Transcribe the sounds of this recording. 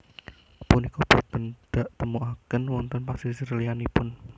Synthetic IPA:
punikub̥ut̪ənd̪̥a̤ʔt̪əmuʔakənwɔnt̪ɔnpasisərəlianipʊn

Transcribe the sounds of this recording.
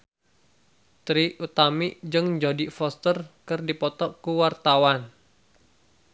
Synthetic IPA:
t̪ɾiut̪amiʔd͡ʒɨŋd͡ʒodifɔst̪ərkɨrdipɔt̪ɔkuwart̪awan

